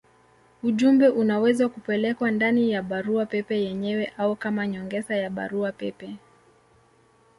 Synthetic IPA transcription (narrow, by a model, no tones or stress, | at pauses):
uʄumbɛʔunawɛzakupɛlɛkwandanijaɓaɾuapɛpɛjɛɲɛwɛʔaukamaɲɔŋɡɛzajaɓa̰ɾuapɛpɛ